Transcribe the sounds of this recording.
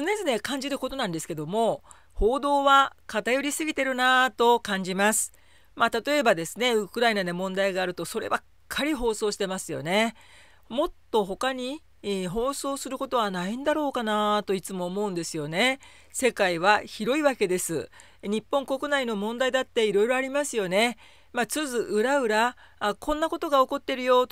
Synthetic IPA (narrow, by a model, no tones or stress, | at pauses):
sɨne̞zɨne̞kãɲ̟d͡ʑiɾɯ̟ko̞t̪o̞nãnd̪e̞sɨ̥ke̞d̪o̞mo̞ | ho̞ːd̪o̞ːβakat̪ajo̞ɾʲisɨɡʲit̪e̞ɾɯ̟nat̪o̞kãɲ̟d͡ʑimasɨ̥ | mat̪at̪o̞e̞bad̪e̞sɨne̞ɯkɯ̟ɾainanemõ̞nd̪aiɡaːɾɯ̟t̪o̞so̞ɾe̞̰bakkʰːaɾʲiɦo̞ːso̞ːɕi̥t̪e̞masɨjo̞̰ne̞ | mo̞t̪ːo̞ɦo̞kaɲ̟i | ɦo̞ːso̞ːsɨɾɯ̟ko̞t̪o̞β̞anaĩnd̪aɾo̞ːkanat̪o̞it͡sɨmo̞ːmo̞ɯ̟̃nd̪e̞sɨjo̞ne̞ | se̞kaiβaçiɾo̞iβake̞d̪e̞sɨ̰ | ɲ̟ipːõ̞ŋko̞kɯ̟naino̞mõ̞nd̪aid̪at̪ːe̞iɾo̞iɾo̞aɾʲimasɨjo̞ne̞ | mat͡sɨzɨʔɯ̟ɾaɯ̟ɾaː | kʰõ̞nːako̞t̪o̞ɡao̞ko̞t̪ːe̞ɾɯ̟jo̞